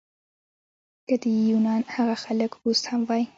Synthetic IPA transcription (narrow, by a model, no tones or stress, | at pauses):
kəd̪əjunɑnhaɣaxaləkɾust̪hamwɑj